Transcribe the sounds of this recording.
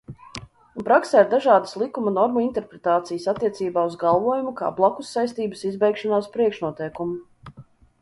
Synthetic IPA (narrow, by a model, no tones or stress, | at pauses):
unpɾaksaiɾd̪aʒɑːd̪ə̥slˠikumunɔɾmuint̪ɛɾpɾet̪aːt̪sijəsat̪ːiɛt̪siːbaːuzɡalˠvuɔjumuka̰ːblˠakusːajst̪iːbəsizbɛjkʃanaːspɾiɛkʃnuɔt̪ɛjkumu